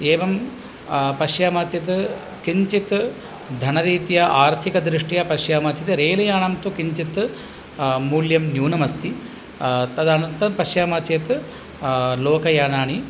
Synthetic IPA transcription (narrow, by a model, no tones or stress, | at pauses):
eːʋɐm | pɐʃjaːmaːt͡ʃit̪ | kiɲt͡ʃit̪ | d̪ʱɐnɐɾiːt̪ijɐʔaːɾt̪ʰikɐd̪ɾiʂʈijɐpɐʃjaːmaːt͡ʃit̪ɾeːlɐjaːnɐmt̪ukiɲt͡ʃit̪ | muːljɐmnjuːnɐmɐst̪i | t̪ɐd̪aːnɐnt̪ɐpɐʃjaːmaːt͡ʃjeːt̪ | loːkɐjaːnaːɳi